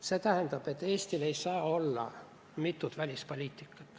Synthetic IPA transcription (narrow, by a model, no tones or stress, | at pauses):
set̪æhænd̪ɑb̥et̪ːeːst̪ile̞jsɑːolːɑ̰ | mit̪ːˑut̪vælʲispolʲiːt̪ːˑikːɑ̥t̪